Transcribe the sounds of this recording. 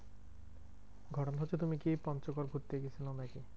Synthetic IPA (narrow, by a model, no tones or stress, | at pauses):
ɡʱɔʈɔnɔɦot͡ʃʰet̪umikipɔnt͡ʃɔkɔɾɡʱuʈt̪ːeeɡesʰilanaki